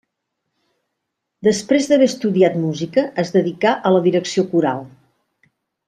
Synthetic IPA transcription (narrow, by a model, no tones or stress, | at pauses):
d̪əspɾezðəβɛst̪uðiat̪muzikəːzðəðikaʔələðiɾəksiokuɾa̰lˠ